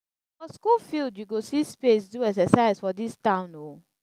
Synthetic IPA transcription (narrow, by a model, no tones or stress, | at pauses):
fɔskulfildjuɡosispesduɛksɛsaɪzfɔdistãʊ̃no